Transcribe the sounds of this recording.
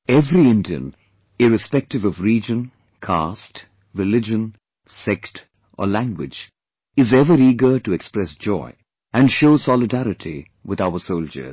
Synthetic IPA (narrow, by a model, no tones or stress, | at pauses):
ɛvɾiɪ̃ndiɨ̰̃n | ɪɹɨspɛk̚tɨvʌvɹid͡ʒə̃n | kʰast | ɹɨlɪd͡ʒə̃n | sɛkt | ʔə̰læ̃ŋɡwɪ̰d͡ʒ | ɪzɛvəɾiːɡə˞tɨɛkspɹɛsd͡ʒɔ̰ɪ | ɨ̃nʃoʊsɑlɨdæɾɨtʰi | wɨðaʊəsoʊlˠd͡ʒə̰˞